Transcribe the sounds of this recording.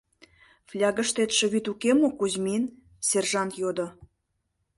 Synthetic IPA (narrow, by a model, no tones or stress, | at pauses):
flʲɑɣə̆ʃt̪et̪ʃĕβyt̪ukemokuzmin | serʒɑnt̪jod̪ŏ